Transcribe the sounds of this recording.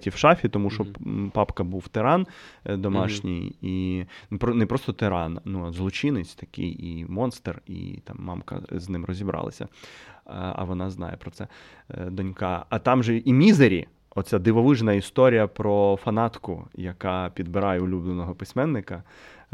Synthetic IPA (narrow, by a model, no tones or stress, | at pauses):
tʲiwʃɑfʲit̪ɔmuʃɔpɑpkɐbuwt̪eɾɑnd̪ɔmɑʃnʲijipɾɔnɛpɾɔst̪ɔt̪eɾɑnnuɐzlˠɔt͡ʃɪnɪt͡sʲt̪ɐkɪ̰jimɔnst̪erḭt̪ɑ̰mːɑ̰mkɐ̰znɪmrɔzʲibɾʔɑ̰lˠɐ̰sʲɐ̰ | ɐ̰ʋɔnɑznɑ̰jɛpɾɔsɛ | d̪ɔnʲkɑɐt̪ɑmʒɛimʲizeɾʲḭ | ɔt̪t͡sʲad̪ɪʋɔʋɪʒnɐist̪ɔɾʲijɐpɾɔfɐnɑt̪kʊ̰jɐkɑpʲid̪bɪɾɑjɛʊlʲublnenɔɦɔpɪsʲmɛnːɪkɐ